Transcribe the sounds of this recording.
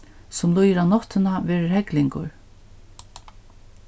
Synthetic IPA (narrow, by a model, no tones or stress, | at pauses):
sʊmlujɾawnɔht̪ɪnavɛːɹɪɹhɛklɪŋkʊ̰ɹ